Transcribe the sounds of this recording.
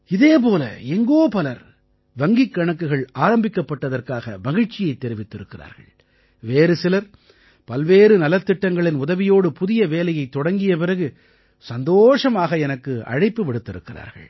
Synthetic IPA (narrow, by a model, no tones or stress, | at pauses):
ɪðeːp̬oːlɐ̰ɛŋɡoːpɐlɐɾ | ʋɐŋɡɪkːɐɳɐkːɯɣɐɭaːɾɐmbɪkːɐpːɐʈːɐðɐrkaːɣɐ̰ʋɐɣɪɻt͡ʃːɪjɐɪt̪ːɛɾɪʋɪt̪ːɪɾɯkːɪra̰ːɾɣɐ̰ɭ | ʋeːɾɯsɪlɐɾ | pɐlʋeːɾɯnɐlɐt̪ːɪʈːɐŋɡɐɭɪnʊðɐʋɪjoːɽɯpʊðɪjɐʋeːlɐjɐɪt̪ːɔɽɐŋɡɪjɐpɪrɐɣɯ | sɐnd̪oːʂɐmaːɣɐɛnɐkːɯɐ̰ɻɐɪpːɯʋɪɽɯt̪ːɪɾɯkːɪra̰ːɾɣɐ̰ɭ